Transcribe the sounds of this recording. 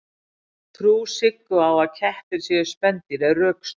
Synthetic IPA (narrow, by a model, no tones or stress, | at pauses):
t̪ʰɾuːsɪkːʏawaðcʰɛht̪ɪɾ̥sjɛʏ̥spɛnt̪ɪɾɛðrœːks